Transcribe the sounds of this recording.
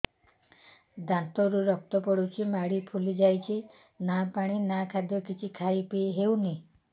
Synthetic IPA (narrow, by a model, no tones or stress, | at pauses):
d̪ant̪ɔɾuɾɔk̚t̪ɔpɔɽut͡ʃʰimaɽipʰulid͡ʒajt͡ʃʰi | napaɽ̃inakʰad̪jɔkit͡ʃʰikʰajpiɦewni